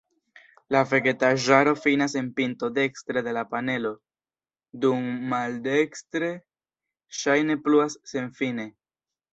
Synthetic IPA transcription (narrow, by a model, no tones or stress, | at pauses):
lafe̞ɡe̞taʒaɾo̞finase̞npinto̞de̞kstɾede̞lapane̞lo̞ | dumːalde̞kstɾe̞ | ʃajne̞pluasːe̞nfine̞